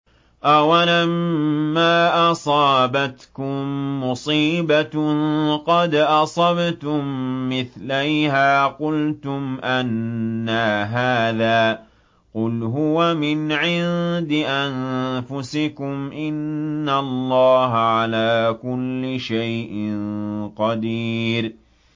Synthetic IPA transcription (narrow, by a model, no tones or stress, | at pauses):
ʔawalamːaːʔɑsˤɑːbat̪kʊmːʊsˤiːba | qɑd̪ʔɑsˤɑbt̪ʊmːɪθlajhaːqʊlt̪ʊmʔanːaɦaːðaː | qʊlɦʊwamɪnʕɪnd̪ɪʔanfʊsɪkʊmʔɪnːallˤːɑːɦaʕalaːkʊlːɪʃajʔɪnqɑd̪iːɾ